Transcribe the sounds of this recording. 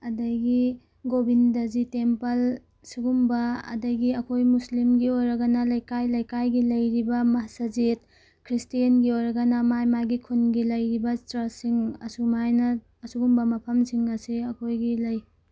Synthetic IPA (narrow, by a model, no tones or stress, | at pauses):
ɐdɐɡi | ɡobindɐzitempɐl | suɡumbɐɐ̰dɐɡiɐkʰojmuslimɡiojɾɐɡɐnɐlɐjkajlɐjkajɡilɐjɾibɐmɐɦasɐzit̚ | kʰɾistiɐnɡiojɾɐɡɐnɐmajmajɡikʰunɡilɐjɾibɐtɾɐsiŋɐsumajnɐː | suɡumbɐmɐpʰɐmsiŋɐsiɐkʰojɡilɐj